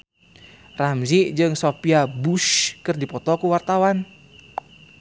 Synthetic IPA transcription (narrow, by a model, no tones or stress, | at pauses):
ramziʔd͡ʒɨŋsopiabuʃkɨrdipɔt̪ɔkuwart̪awan